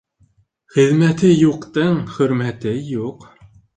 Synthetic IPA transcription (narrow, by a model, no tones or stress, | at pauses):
χɘ̆ðmæt̪ɘjuqt̪ɤŋχɵ̆ɾmæt̪ɘjuq